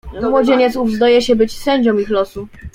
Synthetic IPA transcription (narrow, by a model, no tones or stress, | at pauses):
ɔmwɔd͡ʑeɲɛt̪suvzd̪ɔjɛɕɛbɘt͡ɕsɛɲd͡ʑɔ̃mixlɔsu